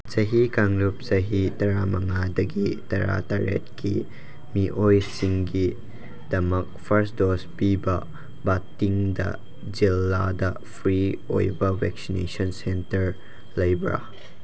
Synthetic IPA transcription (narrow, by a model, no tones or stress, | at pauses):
t͡ʃɐɦikaŋlup̚sɐɦitɐɾamɐŋadɐɡitɐɾa̰taɾḛt̚ki | miʔojsiŋɡi | d̥ɐmɐk̚pʰɐɾsdospibɐ | batːiŋdɐ̰ | d͡ʒilːadɐ | pʰɾio̰jbɐwɛ̰ksinḛsɔnsentɐɾ | lɐjbɾa̰